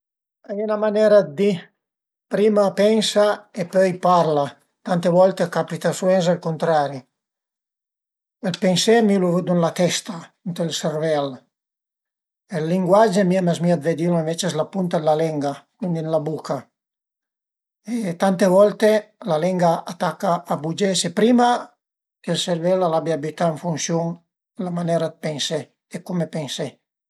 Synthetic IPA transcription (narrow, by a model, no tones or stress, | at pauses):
ajɛnamanɛɾad̪i | pɾimapɛnsaepøjpaɾla | t̪ant̪evɔlt̪ekapit̪asuɛns̬ɛlkunt̪ɾaɾi | elpensɛmiluvud̪unlat̪ɛst̪aunt̪elsɛrvɛl | elːiŋɡwad͡ʒemiamazmiad̪ved̪iloẽɱvet͡ʃezlapunt̪ad̪lalɛŋɡakund̪inlabukʰa | et̪ant̪evɔlt̪elalɛŋɡaʔat̪akaʔːbud͡ʒɛsepɾima | kelseɾvɛlalabjiabit̪aeɱfunsjuŋ | lamanɛɾad̪̚pɛnsɛ | ekɔmepɛnsɛ